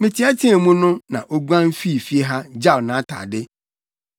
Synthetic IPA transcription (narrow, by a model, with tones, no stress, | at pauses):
mɪ̃˨tʰi˨˦a˦tʰi˦ɛ˨mũ˦nʊ̃˦nã˨ʔo˦ɡu˦ã˦n˦fi˦˨fi˦e˦ɦa˦d͡ʑa˦˨nã˨˦tʰa̰ː˨dɪ˦